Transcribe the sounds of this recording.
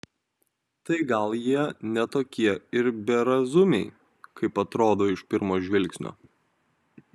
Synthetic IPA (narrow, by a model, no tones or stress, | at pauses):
t̪ɐɪɡɐlˠjiɛnʲɛt̪oːkʲiɛɪɾbʲɛɾɐzʊmʲɛɪ | kɐɪpɐt̪ɾoːd̪oːɪʃpʲɪɾmoːʒʲʋʲɪlʲˑksʲnʲo̰ː